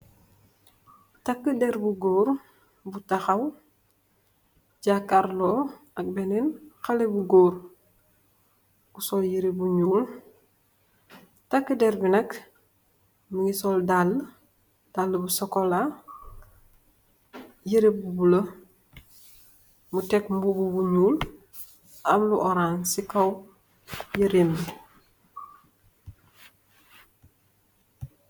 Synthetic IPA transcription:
tɐkːədɛɾbuɡoːɾ | butaxɐw | ɟakːaɾlɔː | ɐk̚bɛnenxalebuɡoːɾ | usoljiɾebuɲuːl | takːədɛɾbinɐk | məŋisɔldalː | d̥alːəbusɔkola | jiɾebubulɐ | mutɛkmbububuɲuːl | ɐmluʔɔɾansikɐw | jəɾimə

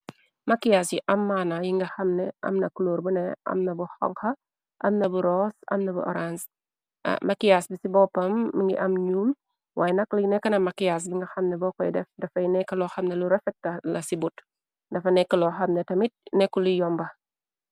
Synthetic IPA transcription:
mɐkːijasjiʔɐmːaːnajiŋɡɐxɐmnɛɐ̰mnɐkuloːɾbunɛʔɐ̰mnɐbuxɔ̰ŋxɐ | ʔɐmnɐbuɾɔsɐ̰mnɐbṵʔɔ̰ɾans | mɐkːijasbisibɔpːɐmːiŋɡḭʔɐmɲuːm | wʔaːjɛnɐklɐnɛkːɐnɐmɐkijas̬biŋɡɐxɐmnɛbɔːkɔjdɛfdɐfɐjnɛkːɐlɔxɐmnɛluɾɐfɛt̚ːɐlɐsibut | dɐfɐnɛkːɐlɔxɐmnɛtɐmit̚nɛkːulujɔmbɐ

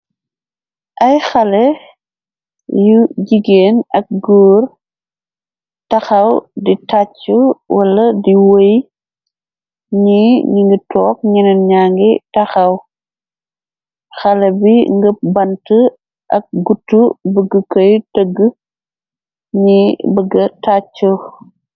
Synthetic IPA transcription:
ʔɐjxɐlɛ | juɟiɡeːnɐk̚ɡoːr | tɐxɐwditacːuwɐlɐdiwoj | ɲiɲiŋɡitɔːk̚ɲinɐnɲaːŋɡitɐxɐw | xɐlɐbiŋɡəp̚bɐntə | ʔɐk̚ɡutːubəɡːəkɐjtəɡ | ɲibəɡːɐtat͡ʃːu

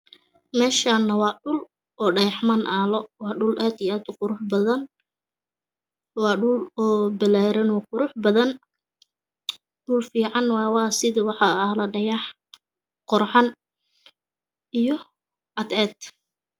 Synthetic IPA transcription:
mɛːʃaːnːɐwɑːɖʊl | ʔɔːɖɐjɑħmɐnʔaːlɔwɑːɖʊlʔaːd̪iaːd̪ʊqʊɾʊħbɐðɐn | wɑːɖʊlɔːbɪlaːɾɛnɔːqʊɾʊħbɐðɐn | ɖʊlfiːʕɑnwɑːwɑːsɪðɪwɑħɑɐhlɐɖɐjɑħ | qɔrħɑn | ʔijɔ | ʔɐd̪ɛːd̪

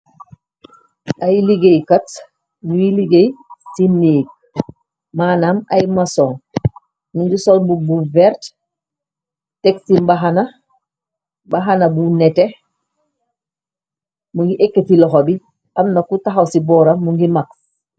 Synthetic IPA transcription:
ʔajliɡejkat | nujiliɡejsinːiɡ̚ | maːnamajmasɔŋ | muŋɡisɔlbubuvɛɾt | tɛksimbaɦana | baɦanabunɛtɛ | muŋɡiʔekːefilɔxɔbi | amnakutaxawsibɔːɾamuŋɡimaks

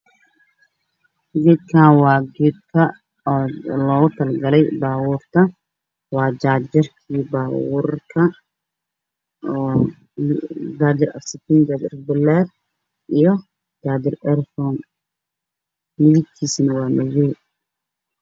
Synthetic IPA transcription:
ɡɛːd̪̚kʰaːnwɑːɡɛːd̚kʰɐ | ɔːlɔːɣʊt̪ʰɐlɡɐlɛjbaːwuːrt̪ʰɐ | wɑːd͡ʒaːd͡ʒɐrkʰiːbaːwṵːrkʰɐ | d͡ʒaːd͡ʒɪrɐ̰sɪt̪ʰind͡ʒaːd͡ʒ̪ɪrbɪlɛːr | ʔijɔ | d͡ʒaːd̪ɪrɛɾfɔn | mɪðɪɡ̚k̪ʰiːsnɐwɑːmɐjɛ

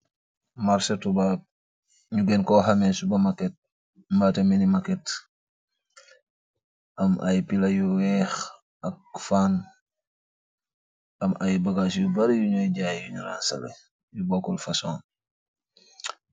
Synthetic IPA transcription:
maɾsetubap̚ | ɲuɡenkɔɦamensubɐmaket̚ | mbateminimaket | ʔɐmʔa̰jpilajuwɛːx | ak̚faːn | ɐmajbaɡasjubaɾjuɲojɟaːjjuɲuɾa̰ːnsa̰lḛ | jubokɔlfasõːn

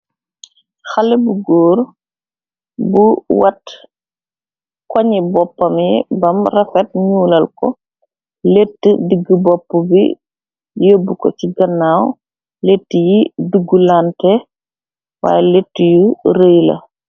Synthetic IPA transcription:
xɐlɛbuɡoːɾ | buwɐt | kɔɲibɔpːɐmjḭbɐmrɛfɛt̚ɲuːlɐlkɔ̰ | letːədiɡːəbɔpːubḭ | jəːbːukɔ̰ciɡɐnːaːw | letːəjiduɡːulantɛ | wa̰ːjɛletːəjuɾeːjlɐ̰

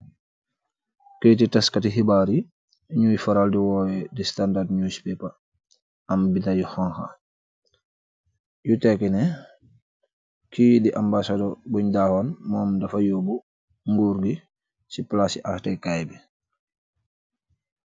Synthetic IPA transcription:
kejtitaskatiɦibaɾi | ɲuːjfaɾaldiwɔjɛdistandadɲujsi̥pɛpa | ambitajɔhɔŋxa̰ | jutɛkɛnɛ | kijdiʔambasadɔbuɲdahɔnmɔːmdafajobu | ŋɡuɾɡi | siplasiʔahtɛkajbɛ

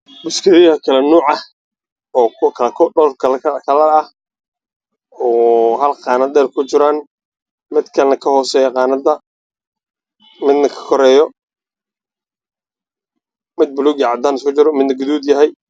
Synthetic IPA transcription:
bʊskʰɪɾɪɐkʰɐlɛnuːʕɐh | ɔːkʰɐlkʰɔɖɔːrkʰɐlkʰɐlɐɐh | ɔːɦɐlqɑːnɐd̪ɛːrkʰʊt͡ʃɪɾaːn | mɪd̪kʰɐlnɐkʰɐhɔːsɛːjɐqɑːnɐd̪ɐ | mɪd̪nɐkʰɐ̥kʰɔɾɛːjɔ | mɪd̪̚bʊluːɡʕɑd̪aːnɪskʊt͡ʃɪɾɔmɪd̪nɐɡʊðuːd̪jɐɦɛj

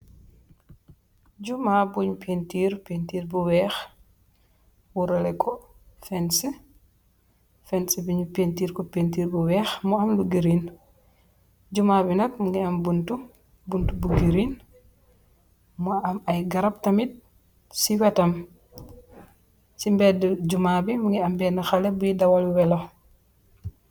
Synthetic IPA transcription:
ɟumabuɲpʰentiːɾpentiːɾbuwɛːx | wuɾɛlɛkʰɔ | fɛnsi | fɛnsibiɲupentiːɾkɔpentiːɾbuwɛːxmuɐmluɡiɾin | d͡ʒumabinɐkmuŋɡiɐmbuntu | buntubuɡiɾiːn | muɐmɐjɡɐɾɐp̚tɐmit̚ | siwɛtɐm | simbɛdɟumaːbimuŋɡiɐmbɛnɐxɐlɛbujidɐwɐlwɛlo

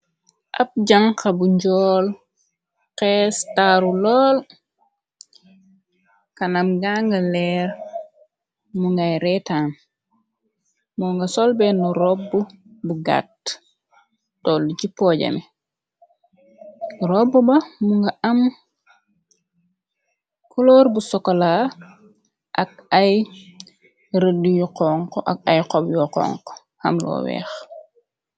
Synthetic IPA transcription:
ʔap̚ɟaŋkabuɲd͡ʒɔːl | qɛstaɾulɔːl | kanamɡaŋɡalɛɾ | muŋɡajɾɛtam | mɔŋɡasɔlbɛnɔɾɔbːubuɡa̰t | ɔlucipɔːɟɐ̰ni | rɔbubɐmuŋɡɐʔɐm | kulɔːrbusɔkːɔlaː | ʔɐk̚ɐj | ɾədujuqɔŋkɔʔɐkɐjqɔbjɔqɔ̰ːŋkɔ̥ | hɐ̰mlɔ̰ːwɛ̰ːx

